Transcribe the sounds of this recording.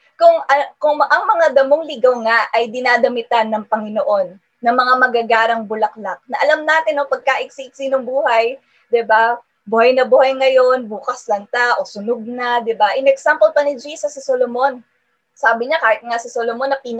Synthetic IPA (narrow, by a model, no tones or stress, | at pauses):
kʊŋɐkʊŋʔɐŋmɐŋad̪ɐmoŋlɪɡawŋaʔɐjd̪ɪnaːd̪ɐmɪt̪anːɐŋpɐŋɪnoʔo̞nː | ɐŋmɐŋamɐɡaɡaːɾɐŋbʊlɐk̚lak̚nɐʔɐlamnaːt̪ɪnopɐɡ̚kaʔɪk̚siʔɪk̚sinoŋbuːhɐj | d̪ɪba | buhɐjnɐbuhɐjŋɐjo̞nbuːkɐslɐnt̪aʔo̞sʊnʊɡ̚nɐd̪ɪbaʔɪnɛksampolpɐnɪd͡ʒisɐsɪsolomo̞n | saːbɪɲakaːhɪt̪̚ŋasɪsolomonɐpiːn